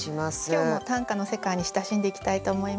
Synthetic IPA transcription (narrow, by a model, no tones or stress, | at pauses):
imasʲo̞ːmo̞t̪ãŋkano̞se̞kaiɲ̟iɕi̥t̪aɕĩnd̪e̞ikʲi̥t̪ait̪o̞ːmo̞im